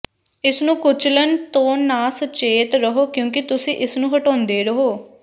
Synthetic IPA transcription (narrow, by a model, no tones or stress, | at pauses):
ɪsnũːkʊt͡ʃʰlənt̪õːnːaːsət͡ʃeːt̪ɾəɦoːkjõːkɪt̪ʊsĩːʔɪsnũːɦəʈõːnd̪eːɾəɦoː